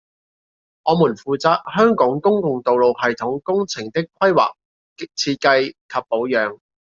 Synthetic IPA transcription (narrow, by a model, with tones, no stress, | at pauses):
ŋɔː˨˧muː˨˩nfuː˨t͡saː˨˧t̚hœː˥ŋkɔː˨˥ŋkʊ˥ŋkʊ˨ŋt̪o˨wlo˨whɐ˨jt̪ʰʊ˨˥ŋkʊ˥ŋt͡sʰɪ˨˩ŋt̪ɪ˥kʷʰɐ˥jwa̰ː˨k̚ | ɪ˥t͡sʰiː˧t̚kɐ˧jkʰɐ˨pːo˨˥wjœː˨˧ŋ